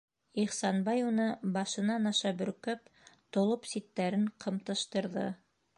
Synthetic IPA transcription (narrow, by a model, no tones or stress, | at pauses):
iχsɑnbɑjunɤbɑʃɤ̆nɑnɑʃɑbɵ̆ɾkɵp̚t̪ŏlˠopsit̪ːæɾɘɴqʰɤ̆mt̪ɤ̆ʃt̪ɤ̆ɾðɤ̰